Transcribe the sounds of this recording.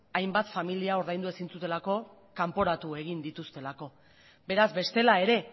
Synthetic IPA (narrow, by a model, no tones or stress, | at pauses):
ajmbat̪familiao̞ɾðajnd̪ue̞sint͡sut̪e̞lako̞ | kampo̞ɾat̪ue̞ɣ̞ind̪it̪ust̪e̞lako̞ | be̞ɾazbe̞st̪e̞lae̞ɾe̞